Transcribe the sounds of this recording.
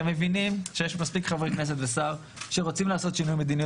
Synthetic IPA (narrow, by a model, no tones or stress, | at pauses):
emːe̞vinimʃejeʃmaspikχavʁeknes̬et̪vesaʁ | ʃeʁot͡simlaːso̞t̪ʃinujmed̪ini